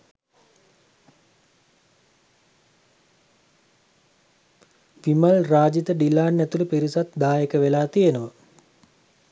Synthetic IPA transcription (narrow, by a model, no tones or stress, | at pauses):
ʋimalraːd͡ʒit̪əɖilaːnːɛt̪uləpiɾisat̪d̪aːjəkəʋelaːt̪ijenəʋə